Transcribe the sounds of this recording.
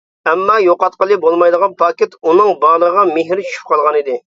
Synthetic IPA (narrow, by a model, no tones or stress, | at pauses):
ɛmːɑjoqɑt̪̚qəlˠɨbolˠmɑjd̪əʁɑnpʰɑːkʲet̪unɨŋbɑːlˠəʁɑmeɦɾt͡ʃʰy̥ʃy̥p̚qɑlˠʁɑnid̪ɪ